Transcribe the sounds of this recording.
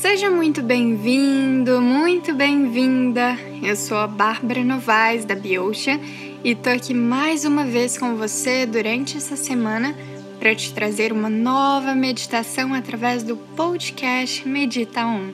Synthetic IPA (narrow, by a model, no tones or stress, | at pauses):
seʒɐmũj̃t̪ʊbẽj̃vĩd̪ʊmũj̃t̪ʊbẽj̃vĩd̪ɐ | ewsowɐbaɾbɐɾɐnovaɪzd̪ɐbiowʃɐ | ɪɪst̪owakimajzũmɐveskõw̃vosed̪uɾɐ̃nt͡ʃɪɛsɐsemɐ̃nɐ | pɾɐt͡ʃɪ̥t̪ɾazeɾũmɐnɔvɐmed͡ʒit̪asɐ̃w̃at̪ɾavɛzd̪ʊpod͡ʒikɛst͡ʃɪmed͡ʒit̪aũ